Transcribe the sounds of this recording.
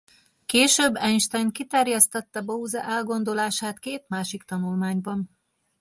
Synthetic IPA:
keːʃøbːɛɲʃt̪aːjnt̪̚kit̪ɛrjɛst̪ɒt̪ːɒbɒuzɒ̰ʔɛlɡo̞n̪d̪o̞laːʃaːt̪keːt̪maːʃikt̪ɒnulmaːɲbɒn

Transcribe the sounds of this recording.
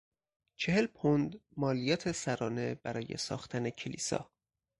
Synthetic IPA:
t͡ʃʰe̞he̞lpʰond̪mɒːlijɒːt̪ʰe̞sæɾɒːne̞bæɾɒːje̞̰sɒ̰ːxt̪ʰænecʰelḭːsɒ̰ː

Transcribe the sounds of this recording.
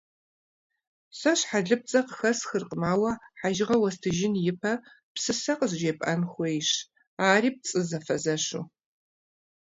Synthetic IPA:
sɐɕħaɮɨp̚t͡sʼɐqəxɐsxɨrqʼəmaːwɐħaʒɪʁɐwɐstʰɨʒɪnjɪpʰɐ | psɨsɐqəzd͡ʒeːpʼʔɐnxʷejɕ | aːriːp̚t͡sʼɨzɐfɐzɐɕṵ

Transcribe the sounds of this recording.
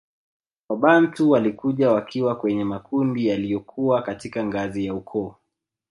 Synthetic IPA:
waɓan̩tuwalikuʄawakʰiwakwɛɲɛmakundijalijɔkʰuwakatikaŋɡazijaukʰɔː

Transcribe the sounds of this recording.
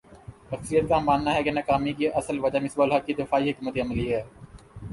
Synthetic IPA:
ʃəksɾijət̪̚kamaːnːaɦɛːkɪnakaːmikiʔɐsəlʋəd͡ʒamɪsboːlɦakːid̪ɪfaːiːɦɪkmət̪eɐməliɦɛː

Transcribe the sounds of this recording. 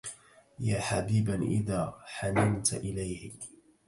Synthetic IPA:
jaːħabiːbaʔɪ̰ðaːħanamt̪ʔɪlajhɪ

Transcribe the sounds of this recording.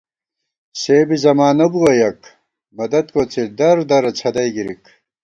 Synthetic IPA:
seːbizɐmaːnɐbuwɐjɐk | mɐd̪ɐd̪̚koːt͡sʰid̪ɐɾd̪ɐɾɐt͡sʰɐd̪ɐjɡiɾik

